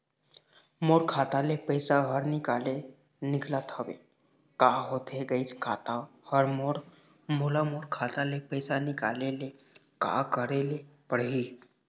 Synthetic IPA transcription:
moɽkʰat̪alepəjsaɦəɾnikale | niɡʰlat̪ʰəʋḛ | kaɦot̪ʰeɡəjt͡skʰat̪ahəɾmoɽ | molamoɽkʰat̪alepəjsanika̰lele | ka̰kəɽelepəɽɦi

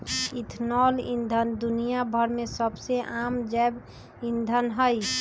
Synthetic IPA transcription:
it̪ʰnɔlḭnd̪ʱənd̪unijabʱəɾmesəbseʔamd͡ʒɛb | ind̪ʱənɦəj

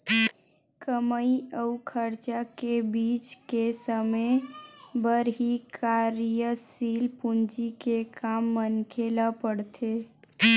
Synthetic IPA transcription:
kəməiəukʰəɾt͡ʃakebit͡ʃkesəmə | bəɾɦikʰaɾjəsilpund͡ʒikekamːənkʰelapəɽt̪ʰe

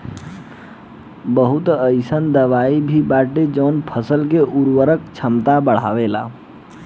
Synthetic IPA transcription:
bəɦʊt̪əɪsənd̪əʋaibʱibaʈed͡ʒəʊnpʰəsəlk̬eʔuɾwəɾəkt͡ʃʰəmt̪abəɽ̤a̰ʋela̰

